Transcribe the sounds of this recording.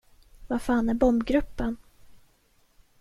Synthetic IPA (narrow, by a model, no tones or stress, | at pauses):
vafaːnæɾbɔmbɡɾɵpːən